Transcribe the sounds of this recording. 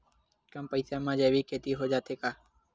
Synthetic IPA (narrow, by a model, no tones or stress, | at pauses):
kəmpəːsaːmãːd͡ʒeːʋiːkʰeːt̪iːɦoːd͡ʒaːt̪ʰeːkaː